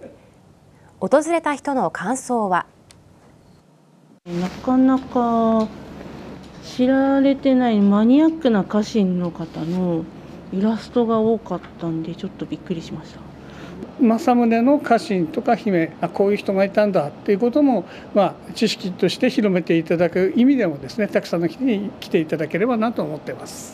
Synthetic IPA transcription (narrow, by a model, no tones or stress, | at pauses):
ot̪o̞zɨɾe̞t̪açi̥t̪o̞no̞kʰãɰ̃so̞ːβa | nakanaka | ɕiɾaɾe̞t̪e̞naimaɲ̟iakːɯ̟nakaɕĩnːo̞kat̪ano̞ | iɾasɨ̥t̪o̞ɡao̞ːkat̪ːãnd̪e̞t͡ɕo̞t̪ːo̞bʲikːɯ̟ɾʲiɕimaɕi̥t̪ḁ | masamɯ̟ne̞no̞kʰaɕĩnt̪o̞kaçime̞ako̞ːjɯ̟ːçi̥t̪o̞ɡait̪ãnd̪at̪ːe̞jɯ̟ko̞t̪o̞mo̞ | mat͡ɕiɕi̥kʲit̪o̞ɕi̥t̪e̞çiɾo̞me̞t̪e̞it̪ad̪akɯ̟imʲid̪e̞mo̞d̪e̞sɨne̞t̪akɯ̟̥sãnːoçʲi̥t̪eɲ̟ikʲi̥t̪e̞it̪ad̪ake̞ɾe̞banat̪oːmo̞t̪ːe̞masɨ̥